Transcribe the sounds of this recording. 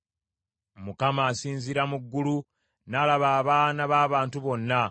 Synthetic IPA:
mukamaːsiːnziɾamuɡːulu | nalaβaːβaːnaβaːβaːntuβo̞nːa

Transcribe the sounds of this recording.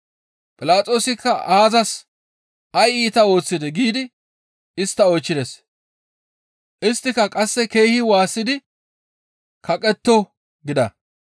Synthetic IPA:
pʼɪlaːt͡sʼo̞ːsɪkːɐʔaːzɐs | ɐjiːt̪ɐo̞ːt͡sːɪd̪ɛɡiːd̪ɪ | ɪst̪ːɐɔjt͡ʃːɪd̪es | ʔɪst̪ːɪkɐkʼɐsːɛke̞jhɪwaːsːɪd̪ɪ | kʰɐkʼɛt̪ːɔ | ɡɪd̪ɐ̰

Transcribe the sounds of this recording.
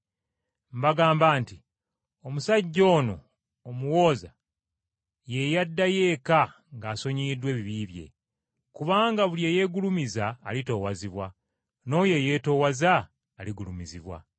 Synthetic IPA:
mbaɡaːmbaːnti | omusaɟːo̞ːno̞ | omuwo̞ːza | je̞jadːaje̞ːka | ŋɡaːso̞ɲiːdwe̞ːβiβiβje̞̰ | kuβaːŋɡaβuljeːje̞ɡulumizaːlito̞ːwaziβwa | no̞ːje̞je̞ːto̞ːwazaː | liɡulumiziβwa̰

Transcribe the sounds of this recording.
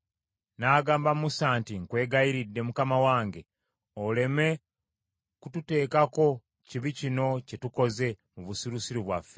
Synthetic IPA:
naːɡaːmbamusaːntiŋkwe̞ːɡajiɾidːe̞mukamawaːŋɡe̞ | ole̞me̞ | kutute̞ːkako̞ | ciβicino̞ce̞tuko̞ze̞ | muβusiɾusiɾiβwa̰fːe

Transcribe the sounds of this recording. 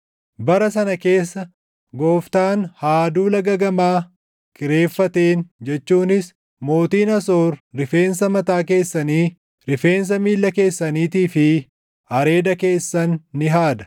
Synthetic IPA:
bɐɾɐsɐnɐke̞ːsːɐ | ɡo̞ːft̪aːnhaːd̪uːlɐɡɐɡɐmaː | kɪɾe̞ːfːɐt̪eːnd͡ʒɛt͡ʃːuːnɪs | mo̞ːt̪iːnɐso̞ːɾːɪfe̞ːns̬ɐmɐt̪aːke̞ːsːɐniː | ɾɪfe̞ːns̬ɐmiːlːɐke̞ːsːɐniːt̪iːfɪ | ɐɾe̞ːd̪ɐke̞ːsːɐnːɪɦaːd̪ɐ̥

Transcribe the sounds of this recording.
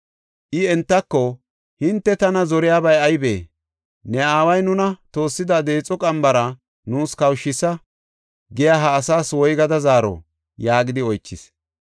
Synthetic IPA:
ʔɪɛnt̪ːɐkːɔ | hɪnt̪ːɛt̪ɐnɐzɔɾɪjaːbɐjɐjbḛː | nɛaːwɐjnʊnɐt̪o̞ːsːɪd̪ɐd̪eːt͡sʼɔkʼɐmbɐɾɐ | nuːskɐwʃːɪsːɐ | ɡɪjaːɦɐːsaːswɔjɡɐd̪ɐzaːɾɔ̰ | jaːɡɪd̪ɪɔjt͡ʃːɪs

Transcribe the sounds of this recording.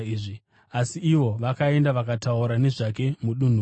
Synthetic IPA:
iːʐi | asiiʋo̞ʋakae̞ndaʋakatauɾane̞ʐak̬e̞muɗun̤u

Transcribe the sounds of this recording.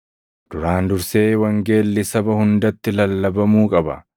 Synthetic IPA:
d̪̥ʊɾaːnd̪ʊɾse̞ːwɐŋɡe̞ːlːɪsɐbɐhʊnd̪ɐt̪ːɪlɐlːɐbɐmuːkʼɐbɐ̰

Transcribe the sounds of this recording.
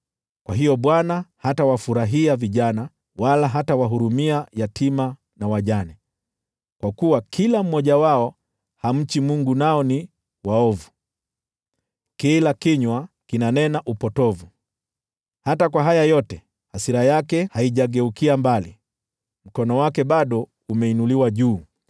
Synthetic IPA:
kwaɦijɔɓwanahatawafuɾaɦiaviʄana | walaɦatawaɦuɾumiajatima | nawaʄanɛ | kwakuwakʰilam̩mɔʄawaɔ | ham̩t͡ʃimuŋɡunaɔni | waɔvu | kilakiɲwakinanɛnaʔupɔtɔvu | hatakwaɦajajɔtɛ | hasiɾajakɛhaiʄaɠɛukiambali | m̩kɔnɔwakɛɓaɗɔ | umɛinuliwaʄuː

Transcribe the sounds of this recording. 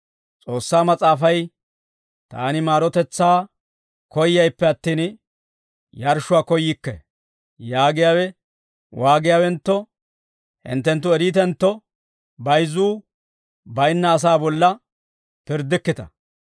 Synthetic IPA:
t͡sʼo̞ːsːaːmɐt͡sʼaːfɐj | t̪a̰ːnɪmaːɾɔt̪ɛt͡sːaː | kɔjːɐjpːɛɐt̪ːiːn | jɐɾʃʊwaːkɔjɪkːɛ̰ | jaːɡɪjaːwɛ | wʔaːɡɪjaːwɛnt̪ːɔ | hɪ̰nt̪ːɛnt̪ːʊɛɾiːt̪ɛnt̪ːɔ | bɐjzuː | bɐjnːɐːs̬aːbɔlːɐ | pɪɾd̪ɪkːɪt̪ɐ

